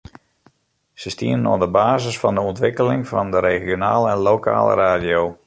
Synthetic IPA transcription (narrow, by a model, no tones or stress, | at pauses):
səstiənənɔ̰ndəbaːzəsfɔndəɔntʋɪkəlɪŋfɔndəɾeːɣjona̰ːləɛnloːkʰa̰ːlə̰ɾaːdijow